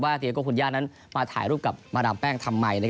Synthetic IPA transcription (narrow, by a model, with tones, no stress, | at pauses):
waː˥˩t̪ʰi˧kɔː˥˩kʰu˧njaː˥˩t̪̚na˦˥n | maː˧t̪ʰa̰ː˩˦jɾuː˥˩p̚ka˨˩p̚maː˧daː˧mpɛː˥˩ŋt̪ʰa˧mːa˧jna˦˥˧k